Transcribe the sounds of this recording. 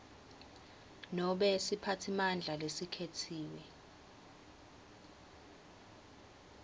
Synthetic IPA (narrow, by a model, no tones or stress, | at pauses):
nɔɓɛsipʰatʰimand͡ɮʱalesikʰetʰiːwɛ